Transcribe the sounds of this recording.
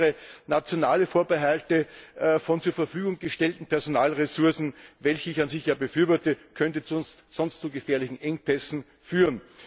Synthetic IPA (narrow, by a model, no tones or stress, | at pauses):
ʁənat͡sjonaːləfoːɐbəɦaltəfɔnt͡suːɐfɛɐfyːɡʊŋɡəʃtɛltn̩pʰɛɐzonaːlʁesʊɐsn̩vɛlçəɪçanzɪçjaːbəfyɐvɔɐtəkʰœntət͡snstsɔnstt͡suɡəfɛːɐlɪçn̩ʔɛŋpʰɛsn̩ | fyːʁən